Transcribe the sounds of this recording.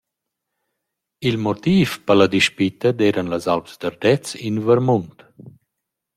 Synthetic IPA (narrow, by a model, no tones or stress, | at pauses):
ilmot̪iːfpəlad̪iʃpit̪əd̪ɛːɾanlazalpzd̪aɾd̪ɛt͡sinvəɾmunt̪